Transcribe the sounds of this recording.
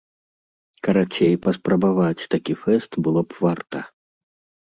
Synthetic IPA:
kɐɾat͡ɕʲejpɐspɾɐbavat͡sʲt̪akʲifɛst̪bɨlˠɔpvart̪ɐ

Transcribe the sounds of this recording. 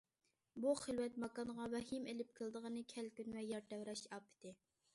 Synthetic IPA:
buχəlwɛt̪mɑkɑnʁɑwɛɦimelɪp̚kʰəlˠd̪əʁənɨkʲʰɛlkʲynwɛjɑɾt̪ɛwɾɛʃɑpʰɪ̥t̪ʰɪ

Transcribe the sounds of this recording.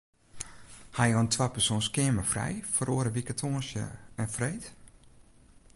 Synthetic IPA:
hajɔəntʰwapərsõːnskɪːməfrɛ̰jfəroəɾəʋikatʰoːnsjə̰ɛnfrejt

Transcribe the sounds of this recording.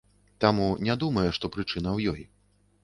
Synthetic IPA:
t̪amunʲad̪umɐjɛʂt̪ɔpɾɨt͡ʂɨnɐwjɔj

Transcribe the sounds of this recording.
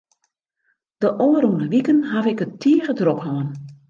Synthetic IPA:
d̥əʔoːəɾunəʋikənɦavɪkətʰiːəɣədrophɔən

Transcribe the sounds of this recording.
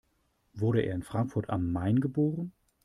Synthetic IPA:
vʊɐɾəʔḛːɐɪnfʁ̥aŋkfʊɐtʰamːaɪnɡəboːʁən

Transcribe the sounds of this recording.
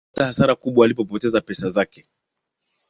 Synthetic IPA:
ttahasaɾakuɓwaːlipɔpɔtɛzapɛsazakɛ

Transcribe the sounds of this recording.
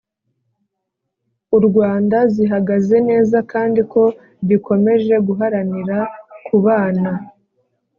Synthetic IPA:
uɾɡwaːndaziɦaɡaze̞ne̞ːzakaːndiko̞ | βikʰo̞me̞ʒe̞ɡuɦaɾaniɾakʰuβaːna

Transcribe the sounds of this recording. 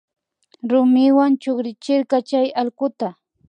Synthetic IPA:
ɾʊmɪwant͡ʃoχɾɪt͡ʃɪɾkɑt͡ʃajalkʊt̪a

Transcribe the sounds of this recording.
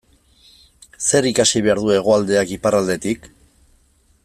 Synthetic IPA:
se̞ɾikasiβ̞e̞aɾðue̞ɣ̞o̞ald̪e̞akiparald̪e̞t̪ik

